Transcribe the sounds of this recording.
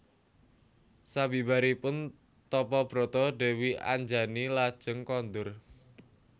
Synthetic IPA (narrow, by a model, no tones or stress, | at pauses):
sabi̤baɾipʊn | t̪ɔpɔb̥ɾo̤t̪ɔɖe̤wia̰ɲd͡ʒa̤nilad̥ʒ̥əŋkɔnd̪ʊr